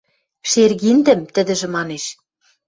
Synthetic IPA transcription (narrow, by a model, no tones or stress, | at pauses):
ʃerɣind̪ɘ̆mt̪ɘ̆d̪ɘ̆ʒɘ̆mɑneʃ